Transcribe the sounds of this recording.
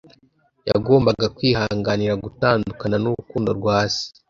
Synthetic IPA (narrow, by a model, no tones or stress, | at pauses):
ja̰ɡo̞ːmbaɡakwiːhaːŋɡaniɾaɡutaːndukananuɾukuːndo̞ɾɡwaːsi̥